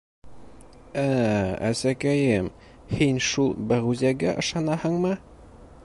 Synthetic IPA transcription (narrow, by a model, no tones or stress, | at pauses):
ææ̰sækæjɘm | hinʃulˠbæʁuzæɡæʔɤ̆ʃɑnɑhɤɴmɤ